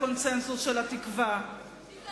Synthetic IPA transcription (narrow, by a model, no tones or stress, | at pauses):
ont͡sensusʃelat̪ikva